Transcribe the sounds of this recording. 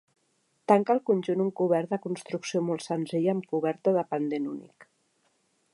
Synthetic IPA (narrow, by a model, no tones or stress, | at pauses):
t̪aŋkəlˠkunʲʒunuŋkuβ̞ɛɾt̪̚d̪əkunst̪ɾuksiomolˠt̪sənziʎəmkuβɛɾt̪əðəpənd̪enunḭk